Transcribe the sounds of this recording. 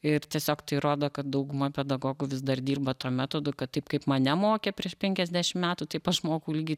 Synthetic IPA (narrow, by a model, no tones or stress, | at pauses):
ɪrt̪ʲiɛsʲoːkt̪ɐɪɾoːd̪oːkɐt̪d̪ɐʊɡʊmɐpʲɛd̪ɐɡoːɡʊʋʲɪsd̪ɐrd̪ʲiːrbɐt̪oːmʲæːt̪oːd̪ʊkɐt̪t̪ɐɪpkɐɪpmɐnʲɛmoːkʲɛpʲɾʲiɛʃpʲɛŋʲkʲɛzʲdʲæʃʲɪmmʲæːt̪ut̪ɐɪpɐʃmoːkɐʊliɡʲɪ